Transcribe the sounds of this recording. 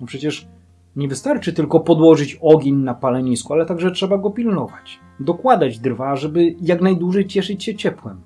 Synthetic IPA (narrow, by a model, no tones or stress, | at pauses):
ɔpʂɛt͡ɕɛʂ | ɲɛvɘst̪aɾt͡ʂɘt̪ɘlkɔpɔd̪wɔʐɘt͡ɕɔɡʲeɲnapalɛɲiskualɛt̪aɡʐɛtʂɛbaɡɔpʲilnɔvat͡ɕ | d̪ɔkwad̪ad͡ʑd̪ɾvaʐɛbɘjaknajd̪wuʐɛjt͡ɕɛʂɘt͡ɕɕɛt͡ɕɛpwɛm